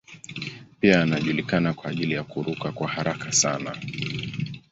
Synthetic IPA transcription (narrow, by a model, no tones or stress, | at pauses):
piaːnaʄulikanakwaːʄilijakuɾukakwahaɾakʰasana